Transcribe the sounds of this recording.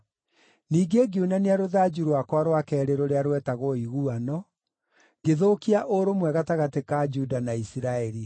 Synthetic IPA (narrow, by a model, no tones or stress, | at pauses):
niːɡeɡiunaniaɾoðad͡ʒuɾwakwaɾwakɛːɾeɾoɾeaɾwɛtaɣoiɣuanɔ | ɡeðokiaʔoɾomwɛɣataɣatekad͡ʒudanaisiɾaɛɾi